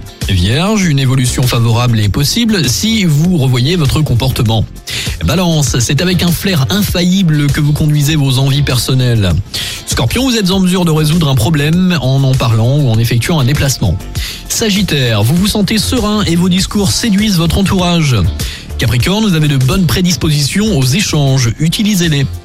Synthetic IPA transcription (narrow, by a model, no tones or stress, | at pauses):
vjɛʁʒynevɔlysjɔ̃favɔʁablɛpɔsiblsivuʁəvwajevɔt̪χəkɔ̃pɔʁt̪əmɑ̃ | balɑ̃sːɛt̪avɛkɛ̃flɛʁɛ̃fajibləkəvukɔ̃d̪ɥizevozɑ̃vipɛʁsɔnɛl | skɔʁpjɔ̃vuzɛt̪zɑ̃məzyʁd̪əʁezud̪ʁɛ̃pχɔblɛmɑ̃nɑ̃paʁlɑ̃uɑ̃nefɛk̚t̪ɥɑ̃ɛ̃d̪eplasmɑ̰̃ | saʒit̪ɛʁvuvusɑ̃t̪esəʁɛ̃evod̪iskuʁsed̪ɥizvɔt̪χɑ̃t̪uʁaʒ | kapχikɔʁnuzaved̪əbɔnpχed̪ispozisjɔ̃ozeʃɑ̃ʒyt̪ilizele